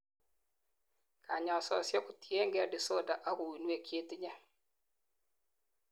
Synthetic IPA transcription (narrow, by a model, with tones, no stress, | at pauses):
kʰa˨ɲɔ˨sɔ̰˨sjɔ˦kʊ˨tje˦ŋɡɛ˨ɾdɪ˨so˦da˨ʔa˦kʊ˨wi˨nwe˦˨kʰje˦tɲɛ˦